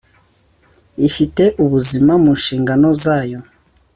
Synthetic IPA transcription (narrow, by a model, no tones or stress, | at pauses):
ifite̞ʔuβuzimamunʃiːŋɡano̞zaːjo̞